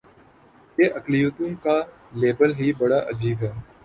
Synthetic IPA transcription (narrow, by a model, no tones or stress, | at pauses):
jeːʔɐklɪjuːt̪õka | leːbəlɦibɐɽaʔɐd͡ʒiːbɦɛː